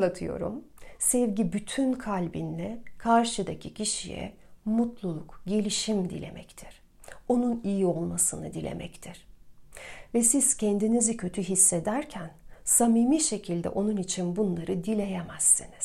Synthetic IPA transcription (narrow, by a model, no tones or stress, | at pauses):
at̪ʰɯjo̞̰ɾṵm | sɛvɟibyt̪ʰynkʰalʲbinlʲɛkʰaɾʃɯd̪acʰicʰiʃijɛ̰ | mut̪lˠulˠukɟe̞lʲiʃimd̪ilʲe̞̰mʔɛct̪ʰiɾ̥ | o̞nunijio̞lˠmasɯnɯ̰d̪ilʲḛmɛ̰ct̪ʰiɾ̥ | vɛsiz̥cʰɛnd̪inizicʰø̞t̪ʰyɦisːed̪æɾcʰænsamiːmiːʃe̞cʰilʲd̪ɛ̰ʔo̞nunit͡ʃʰinbunlˠaɾɯd̪ilʲe̞jemæsːiniz̥